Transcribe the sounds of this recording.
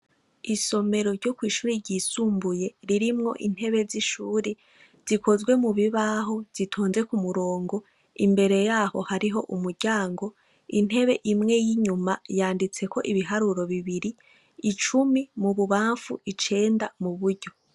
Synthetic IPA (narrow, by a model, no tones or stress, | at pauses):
iso̞me̞ɾo̞ɾɟo̞kwiːʃuːɾiɾɟiːsuːmbuje̞ɾiɾimŋo̞̰ʔin̥he̞βe̞ziʃuːɾe | z̥ikʰo̞zɡwe̞muβiβaːɦo̞z̥itʰoːnze̞kumuɾo̞ːŋɡo̞ | imbe̞ɾe̞jaːho̞haɾiɦo̞ʔumuɾɟ̥aːŋɡo̞ | in̥he̞βe̞ʔimŋe̞jiɲumajaːndit͡se̞ko̞ʔiβiɦaɾuɾo̞βiβiɾiː | t͡ʃumimuβuβaːɱfṵit͡ʃe̞ːndamuβuɾɟo̞